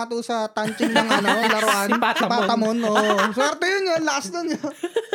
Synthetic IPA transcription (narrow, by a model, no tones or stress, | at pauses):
ɐt̪usɐt̪ant͡ʃɪŋmɐŋaʔɐnolɐɾoʔanpaɐmonʔoswɛɾt̪ɛjʊnjonlɐkasnʊnjo